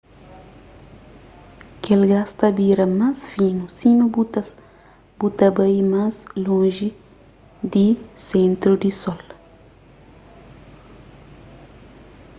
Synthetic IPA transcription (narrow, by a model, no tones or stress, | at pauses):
kelɡast̪ɐbiɾɐmasfinusinubu | b̥ut̪ɐbɐjmaslõʒi | d̪isẽnt̪ɾud̪isɔl